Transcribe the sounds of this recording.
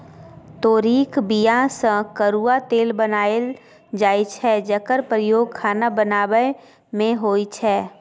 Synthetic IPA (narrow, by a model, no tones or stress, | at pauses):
t̪oːɾiːkbijãsə̃kəɾuːat̪eːlbənaːəl | d͡ʒaːit͡ʃʰɛd͡ʒəkəɾpɾəjoːɡ̚kʰaːnabənaːwəj | mẽɦoːit͡ʃʰɛː